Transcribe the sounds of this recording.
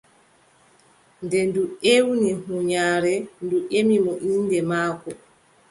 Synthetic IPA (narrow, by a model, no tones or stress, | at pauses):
ndɛnduʔewnihuɲaːɾɛnduʔemimɔʔindɛmaːkɔ